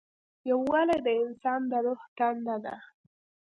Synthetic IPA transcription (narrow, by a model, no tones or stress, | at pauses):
jawːalajd̪əɪnsɑnd̪əɾoht̪and̪ad̪a̰